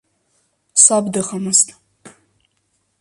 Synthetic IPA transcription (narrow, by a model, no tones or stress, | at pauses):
sabdɨχamɨztʼ